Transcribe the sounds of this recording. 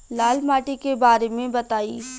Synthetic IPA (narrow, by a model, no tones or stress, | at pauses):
laːlmaːʈikebaːɾemẽbɐt̪aːiː